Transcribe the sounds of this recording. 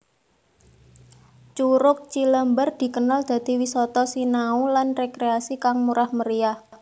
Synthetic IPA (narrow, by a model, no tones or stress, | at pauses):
t͡ʃuɾʊk̚t͡ʃiləmbərd̪̥i̤kənald̪̥ä̤d̪̥i̤wisɔt̪ɔsinaulanrekɾeasikaŋmuɾahməɾiah